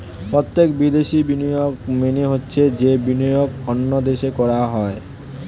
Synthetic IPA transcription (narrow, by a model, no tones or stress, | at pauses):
pɾot̪ːek̚bid̪eʃibinijoɡmeneɦotːɕʰed͡ʑebinɔjoɡonːod̪eʃekɔɾaɦɔe